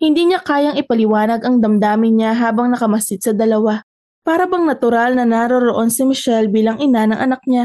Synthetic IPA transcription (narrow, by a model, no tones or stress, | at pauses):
hɪnd̪iːɲakaːjɐŋɪpɐlɪwaːnɐɡɐŋd̪ɐmd̪aːmɪnɲaɦaːbɐŋnɐkɐmɐsɪd̪̚sɐd̪ɐlɐwa | paːɾɐbɐŋnɐt̪ʊɾalnɐnaɾoɾoʔo̞nsɪmɪʃɛlbiːlɐŋʔɪnanɐŋʔɐnɐk̚ɲa